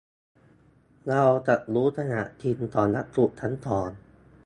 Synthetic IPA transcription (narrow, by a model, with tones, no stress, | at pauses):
la˧wt͡ɕa˨˩t̪̚ɾuː˦˥t̪ʰa˧na̰˨˩ʔt̪ʰi˧nt̪ɔː˨˩nːa˦˥t̪̚ku˨˩ʔt͡ɕ̪ʰa˦˥nt̪ɔː˨˩n